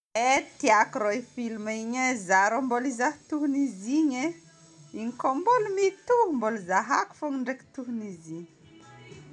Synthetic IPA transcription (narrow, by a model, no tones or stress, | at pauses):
et̪iakɾoifilmiɲezaɾambolizaht̪uɦuniziɲe | iɲikombolumit̪uumboluzaɦa̰ku̥foŋiɳɖ͡ʐeki̥t̪uɦuniziɲi̥